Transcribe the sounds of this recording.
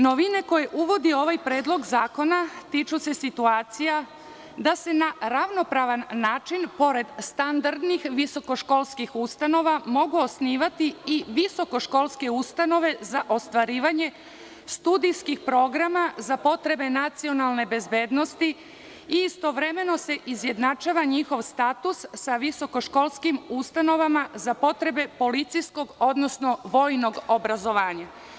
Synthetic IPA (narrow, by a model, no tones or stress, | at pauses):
no̞ʋine̞ko̞jeʔuʋo̞d̪io̞ʋajpɾe̞ːd̪lˠo̞ɡzaːko̞nat̪it͡ʃuse̞sit̪uaːt̪sija | d̪ase̞naɾaʋno̞pɾaʋanːaːt͡ʃinpo̞ɾe̞d̪st̪and̪aɾd̪nixʋiso̞ko̞ʃko̞lˠskixust̪ano̞ʋamo̞ɡuosniːʋat̪iiʋiso̞ko̞ʃko̞lˠske̞ust̪ano̞ʋe̞zaʔo̞st̪ʋaɾiːʋaɲe̞ | st̪ud̪ijskixpɾo̞ɡɾamazapo̞t̪ɾe̞be̞nat̪sio̞nalˠne̞be̞zbe̞ːd̪no̞st̪i | iːst̪o̞ʋɾe̞me̞no̞se̞ʔizje̞d̪nat͡ʃaːʋaɲixo̞ʋst̪at̪usːaʋiso̞ko̞ʃko̞lskimust̪ano̞ʋamazapo̞t̪ɾe̞be̞po̞lit̪sijsko̞ɡo̞d̪no̞sno̞ʋo̞jno̞ɡobɾazo̞ʋaːɲa